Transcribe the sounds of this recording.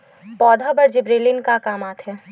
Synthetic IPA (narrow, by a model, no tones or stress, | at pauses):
pɔːd̪ʱabɐɾd͡ʒɪbɾeːlɪnkakaːmaːt̪ɦɛː